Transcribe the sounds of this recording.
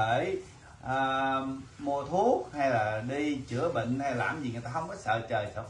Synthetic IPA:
eː˧˩j | ʔəː˧ | mu˧t̪ʰu˦˥ək̚ha˧jlaː˨˩ɗi˧t͡ɕɨ˧˩˦əɓḭ˧˨ŋ̟ha˧jla̰ː˨˩mzi˨˩ŋ˨˩əjt̪aː˧hə˧wŋ͡mkɔː˨˦sə̰ː˧˨t͡ɕəː˨˩jsə̰ː˧˨

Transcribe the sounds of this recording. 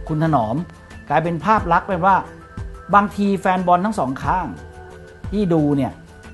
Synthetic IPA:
kʰu˧nt̪ʰa˧nɔː˩˦m | klaː˧jp̬e˧npʰaː˥˩p̚la˦˥k̚pa˧nwaː˥˩ | baː˧ŋt̪ʰiː˧fɛː˧nbɔ˧nt̪ʰa˥˩ŋsɔː˩˦ŋkʰaː˥˩ŋ | t̪ʰiː˥˩duː˧ni˥˩ɐ

